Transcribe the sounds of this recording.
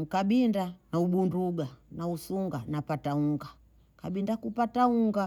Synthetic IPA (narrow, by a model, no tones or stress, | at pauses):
kaɓindanauɓunduɡanausuŋɡanapatauŋɡa | kaɓindakupatauŋɡa